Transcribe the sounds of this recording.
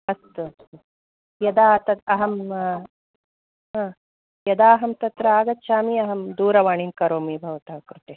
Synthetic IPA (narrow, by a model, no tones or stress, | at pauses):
ɐst̪uɐst̪u | jɐd̪aːt̪ɐt̪ɐɦɐm | ɦãː | jɐd̪aːɦɐmt̪ɐt̪ɾɐaːɡɐt̪ːʃaːmiɐɦɐmd̪uːɾɐʋaːɳimkɐɾoːmiːbʱɐʋɐt̪aːkɾut̪eː